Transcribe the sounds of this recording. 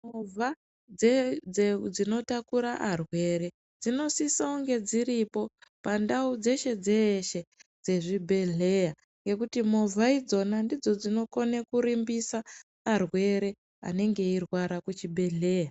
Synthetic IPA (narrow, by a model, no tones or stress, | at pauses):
mova | d͡zed͡zed͡zino̞takuɾaʔarwe̞ɾe̞ | d͡zino̞sisaoŋɡe̞d͡ziɾipo̞pandaud͡ze̞ʃe̞d͡ze̞ːʃe̞d͡ze̞ʐibʱe̞ɮe̞ja | ŋɡe̞kutimo̞vʱaid͡zo̞nandid͡zo̞d͡zino̞ko̞nekuɾimbisaː | rwe̞ɾe̞ | a̰ne̞ŋɡe̞irwaɾakut͡ʃibʱe̞ɮe̞ːja